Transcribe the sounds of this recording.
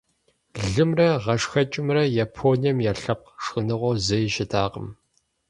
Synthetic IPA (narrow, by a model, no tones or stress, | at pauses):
ɮɨmrɐʁɐʂxɐt͡ʃʼɪmrɐjaːpʰoːnijɐmjaɬɐp̚qʂxɨnɨʁʷɔzɐjɪʃɪtʰaːqə̰m